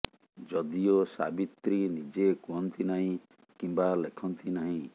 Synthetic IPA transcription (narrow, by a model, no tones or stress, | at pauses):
d͡ʒɔd̪iosa̰bit̪ɾinid͡ʒekuɦɔnt̪ʰinaɦĩ | kimbalekʰɔnt̪ʰinaɦĩ